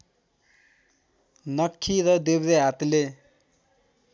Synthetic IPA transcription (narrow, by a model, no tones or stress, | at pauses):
nʌkʰːiɾʌd̪ebɾeɦat̪le